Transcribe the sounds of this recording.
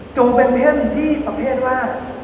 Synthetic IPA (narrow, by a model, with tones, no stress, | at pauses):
t͡ɕo˧ŋpe˧nmi˦˥˩ə˨˩n˨˧t̪ʰiː˥˩pa˨˧pʰeː˥˩ət̪̚waː˥˩